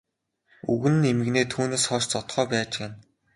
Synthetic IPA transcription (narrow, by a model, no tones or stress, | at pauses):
ṵɣɘ̆nɘ̆nemɘ̆ɣneːt̪ʰuːneːsχɔʃt͡sɔt̪χœːpæːt͡ɕeːn